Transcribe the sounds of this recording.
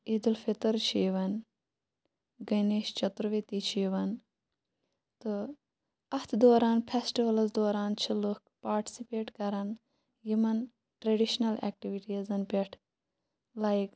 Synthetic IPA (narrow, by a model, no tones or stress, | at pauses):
id̪ulfʰit̪ɐɾt͡ʃʰiːʋɐn | ɡɐneːʃt͡ʃɐt̪ɾʋit̪it͡ʃʰiːʋɐn | t̪ɨ | ɐt̪ʰd̪oːɾaːnpʰesʈiʋɐlɐzd̪oːɾaːnt͡ʃʰilukpaːɾʈi̥sipeːʈkɐɾɐn | jimɐn | ʈɾɐɖiʃnɐlɛ̰ːk̚ʈiʋiʈiɐzɐnpeʈʰ | lajik